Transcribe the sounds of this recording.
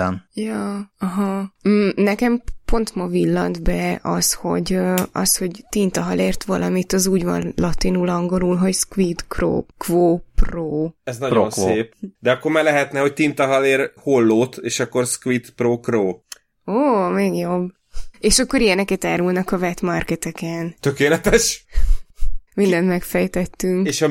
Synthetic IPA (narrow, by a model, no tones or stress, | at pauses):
njɒːɒɦɒ | nɛkɛmpo̞nt̪mɒvilːɒ̰nd̪bɛɒsho̞̰ɟøɒ̰sho̞ɟt̪int̪ɒɦɒleːrt̪ʋɒlɒmit̪ɒzuːɟvɒ̰nlɒt̪inulɒŋɡo̞lulɦo̞cskʋit̪kro̰ːkvoːproːɛznɒjonsseːp̚d̪ɛɒkːormaːrlɛɦɛt̪nɛho̞c̚t̪int̪ɒɦɒleːrholːoːt̪eːʃɒkːo̞rskʋit̪proːkroː | oːmeːɡjo̞bː | eːʃɒkːo̞ɾijɛnɛkɛt̪aːɾulnɒkɒvɛt̪mɒrkɛt̪ɛkɛnt̪økeːlɛt̪ɛʃ | mind̪ɛnt̪mɛkfɛjt̪ɛt̪ːyŋkeːʃɒ